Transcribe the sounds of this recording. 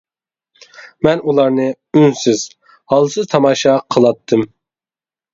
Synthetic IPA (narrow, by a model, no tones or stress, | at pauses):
mɛnulˠɑɾnɨ | ynsɪz̥ | hɑlˠsɨzt̪ʰɑmɑːʃɑqʰəlˠɑt̪ʰːɨm